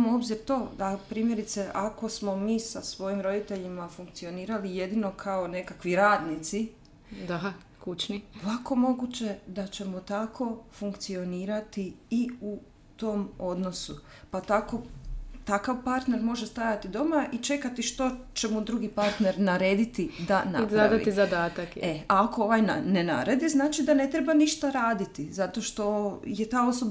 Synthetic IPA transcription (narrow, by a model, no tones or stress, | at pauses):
mo̞bziɾt̪o̞ːd̪apɾiːmje̞ɾit̪se̞ʔako̞smo̞miːsasʋo̞jimɾo̞d̪it̪e̞ʎimafuŋk̚t̪sio̞niːɾalije̞d̪ino̞kʰao̞ne̞kakʋiɾaːd̪nit̪si | d̪a | kut͡ʃnilako̞mo̞ɡut͡ɕe̞d̪at͡ɕe̞mot̪akʰo̞fuŋkt̪sio̞niːɾat̪iiu | t̪o̞ːmo̞d̪no̞su | pat̪ako̞t̪akaʋpaɾt̪ne̞ɾmo̞ʒest̪ajat̪id̪o̞maʔit͡ʃe̞kat̪iʃt̪o̞t͡ʃemud̪ɾuɡipaɾt̪ne̞ɾnaɾe̞ːd̪it̪id̪ana̰p̪ɾad̪a̰t̪izad̪aːt̪akeaːkooʋajna̰nena̰ɾed̪iznaːt͡ʃid̪ane̞t̪ɾebaniʃt̪aɾaːd̪it̪izat̪o̞ʃt̪o̞je̞t̪aːo̞so̞b